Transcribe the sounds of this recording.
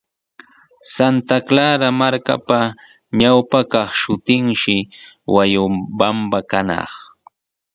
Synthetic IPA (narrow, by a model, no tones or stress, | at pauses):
sant̪aklaɾamaɾka̰pa | ɲawpakɑχʃʊt̪ɪŋʃɪwajʊbambakanɑ̰χ